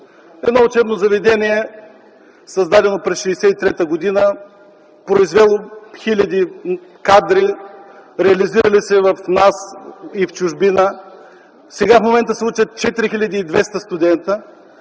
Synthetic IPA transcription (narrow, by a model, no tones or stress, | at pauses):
ɛd̪nɔʊt͡ʃɛbnozɐvɛd̪ɛnʲiɛ | sɐzd̪ad̪ɛnopɾɛsʃɛsɛit̪ɾɛt̪əɡod̪inə | pɾoizvɛlˠoxilʲɐd̪ikad̪ɾi | ɾɛɐliziɾəlisɛvɐfnasift͡ʃʊʒbinə | sɛɡafmomɛnt̪əsˠut͡ʃət̪̚t͡ʃɛt̪iɾixilʲɐd̪iːd̪vɛst̪əst̪ʊd̪ɛnt̪ə